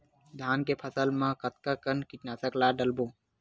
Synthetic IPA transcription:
d̪ʱaːnkepʰəsəlmãkət̪̚kakənkiʈnaːsəklaːɖəlbõː

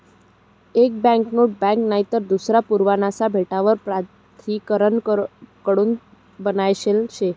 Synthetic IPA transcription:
ek̚bɛ̃ŋknoʈ̚bɛ̃ŋknaɦit̪əɾd̪usɾapuɾʋanasabʱeʈaʋəɾpɾatt̪ʰikəɾənkəɽuːn | bənajɕelɕe

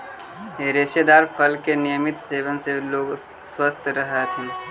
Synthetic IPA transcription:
eɾesed̪aːɾfʰəlkenɪjəmɪt̪seːʋənseloːɡ | swəst̪ʰɾəɦat̪ʰĩː

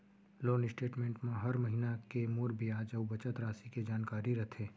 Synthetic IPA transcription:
loːnɪsʈeːʈmẽːɳʈmẽɦɐɾmɐɦinakemuɾbʱiaːd͡ʒɐʋbɐt͡ʃət̪ɾaːsiked͡ʒaːnkaːɾiɾɐt̪ʰẽː

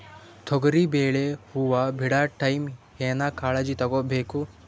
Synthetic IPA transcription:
t̪ʰɔɡɐɾibeːɭehuʋabʱiɽaːʈɐjmheːnakaːɭɐd͡ʒit̪ɐɡobeːku

